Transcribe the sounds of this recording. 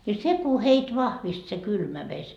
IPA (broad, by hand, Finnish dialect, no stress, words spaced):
jɑ seku heit ʋɑhʋist se kylmæ ʋesʲ